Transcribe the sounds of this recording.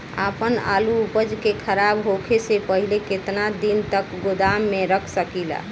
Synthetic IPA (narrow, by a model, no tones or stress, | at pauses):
a̰pəna̰luupəd͡ʒkekʰəɾabɦokʰesepəɦileket̪nad̪int̪əkɡod̪amːeɾəkʰsəkila̰